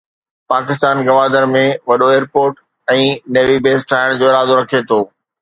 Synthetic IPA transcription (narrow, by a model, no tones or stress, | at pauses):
paːkɪst̪aːnɡɐʋaːd̪əɾmẽʋɐɗoeːɾpoːɾʈ | ɛ̃ːneːʋibeːsʈʰaːɪɽ̃d͡ʑoːɪɾaːd̪oɾɐkʰet̪ʰoː